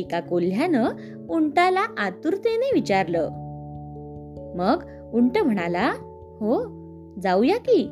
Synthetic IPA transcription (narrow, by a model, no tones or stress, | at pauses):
ikakol̤janə | uɳʈalaʔat̪uɾt̪eneʋit͡ɕaɾlə | məɡ | uɳʈəm̤əɽ̃ala | ho | d͡zawjakiː